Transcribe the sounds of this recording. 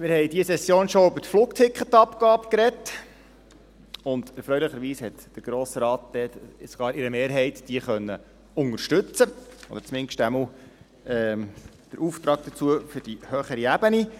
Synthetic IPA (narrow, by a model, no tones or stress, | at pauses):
mɪɾhɛɪdiəsɛsːjoːnʃoybəɾtfluːktʰɪkχətɑpkɑːbkɾɛt | ʊnd̪ɛɾfɾœʏlɪχəɾʋiːshɛtd̥əɾɡ̥ɾoːsəɾɑːt̚d̥̪ɛsoɡ̥ɑːɾɪɾəmeːɾɦɛɪtd̥iəχœnːə | ʊŋəɾʃtʉt͡səo̰dəɾt͡smɪnʃtæml | ɛː | d̥əɾʔuːft̪ɾɑːk̚d̥̪ət͡suəfʏɾd̥ihœːχəɾiæb̥əni